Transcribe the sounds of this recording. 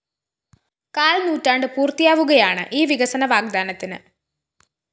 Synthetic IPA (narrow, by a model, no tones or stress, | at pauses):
kaːlnuːtːaːɳɖɨpuːrt̪ijaːʋuɣɐjaːɳɨ̰ʔiːʋiɣɐsɐnɐʋaːɡ̚d̪aːnɐt̪ːinɨ̰